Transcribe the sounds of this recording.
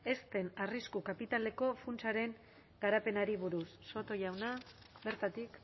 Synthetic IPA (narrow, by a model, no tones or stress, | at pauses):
e̞st̪e̞nariskukapit̪ale̞ko̞funt͡ʃaɾe̞ŋ | ɡaɾape̞naɾiβuɾusːo̞t̪o̞ʝawna | be̞ɾt̪at̪ik